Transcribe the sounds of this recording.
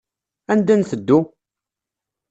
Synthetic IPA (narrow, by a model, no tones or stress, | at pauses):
ænd̪ænθəd̪ːu